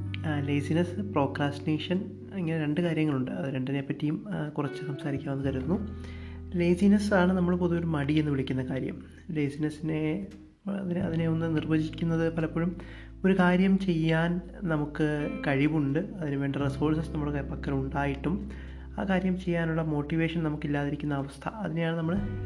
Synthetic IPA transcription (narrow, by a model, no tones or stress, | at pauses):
leːsinɐspro̞ːkraːstneːʂɐn | iŋːɐneɾe̞ɳɖɨkaːɾjɐŋːɐɭuɳɖɨɐðɨɾe̞ɳɖine̞pːɐtːijumkurɐt͡ɕːɨsɐmsaːɾikʲːamʋɐnːɨkɐɾunːu | le̞ːsinɐsaːɳɨnɐmːɐɭpoðuo̞ɾumɐɽie̞nːɨʋiɭikʲːunːɐkaːɾjɐ̰m | le̞ːsinɐsine̞ | ɐðinɐ̰ðine̞onːɨnirbɐd͡ʑikʲːunːɐðɨpɐlɐpːoːɻum | o̞ɾukaːɾjɐmt͡ɕe̞jːaːn | nɐmukːɨkɐɻiʋuɳɖɨɐðinuʋe̞ːɳɖiresoːlsɐsnɐmːuɭkpɐkːɐɾuɳɖaːjiʈːum | aːkaːɾjɐmt͡ɕe̞jːaːnuɭːɐmo̞ːʈːiʋe̞ːʂɐnnɐmukːilːaːðiɾikʲːunːɐːʋɐst̪ʰɐ̰ɐðinejaːɳɨnɐmːɐɭ